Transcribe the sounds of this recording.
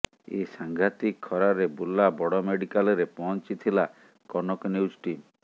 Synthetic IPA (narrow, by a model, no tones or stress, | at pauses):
esaŋɡʱat̪ikʰːɔɾaɾebulːabɔɽɔmeɽikalɔɾepɔɦɔnt͡ʃit̪ʰila | kɔnɔkɔnjud͡ʒʈim